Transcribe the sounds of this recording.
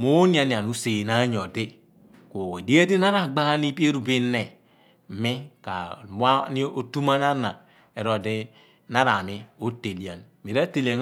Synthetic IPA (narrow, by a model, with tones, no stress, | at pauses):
mo˦ni˦a˨ni˨a˨nu˦se˨na˦ɲo˨di˦ | ko˨e˨di˦e˦de˦na˦ɾa˨ɡ͡ba˦ɣa˦ni˦pi˦e˦ɾu˨bi˦ne˨ | mi˦ka̰˨m˦a˦ni˦o˦tu˦ma˦na˦na˨ | e˨ɾo˨di˦ | na˦ɾa˨mi˦o˦te˨li˨a˨n | mi˨ɾa˦te˨le˨n